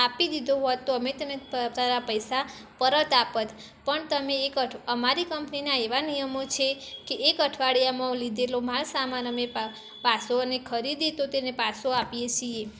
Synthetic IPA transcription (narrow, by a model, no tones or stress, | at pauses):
apid̪id̪ʱoɦot̪ːoəmet̪əmet̪aɾapəjsa | pəɾət̪apət̪ | pəɳt̪əmeːkəəmaɾikəmpninaeʋanijəmot͡ʃʰekeʔːkəʈʰʋaɽijamãlid̪elomalsamanəme | pasonekʰəɾid̪it̪ot̪enepasoapijet͡ʃʰie